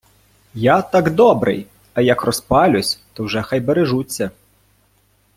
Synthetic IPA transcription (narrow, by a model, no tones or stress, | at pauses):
jat̪ɑɡd̪ɔbɾɪ̰j | ɐjɐkrɔspɑlʲʊsʲt̪ɔwʒɛxajbeɾeʒut͡sʲːɐ